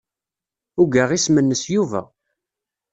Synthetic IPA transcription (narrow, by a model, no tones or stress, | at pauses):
ʊɡaʁismənːəsjuvæ̰